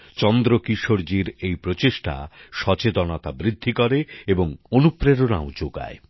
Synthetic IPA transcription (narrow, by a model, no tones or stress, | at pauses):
t͡ɕɔnd̪ɾokiʃoɾd͡ʑiɾejpɾot͡ɕeʃʈa̰ʃɔt͡ɕet̪onat̪abɾid̪ʱːikɔɾeeboŋonupɾeɾona̰od͡ʑoɡa̰e